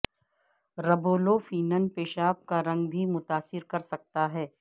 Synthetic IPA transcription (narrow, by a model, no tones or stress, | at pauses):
ɾɐboːlofiːnənpeːʃaːp̚kaɾɐ̃ŋɡbʱimʊt̪aːsɪɾkɐɾsɐk̚t̪aɦɛː